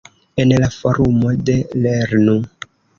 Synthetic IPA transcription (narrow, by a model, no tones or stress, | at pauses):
enlafoɾumodeleɾnu